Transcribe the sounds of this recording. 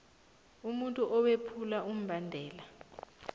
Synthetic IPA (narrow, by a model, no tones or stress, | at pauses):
umuntʼuʔɔwepʰulaʔum̩bandʱɛːla